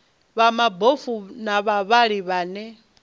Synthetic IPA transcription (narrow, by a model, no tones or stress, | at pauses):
βamabofunaβaβaɺiβaːnɛ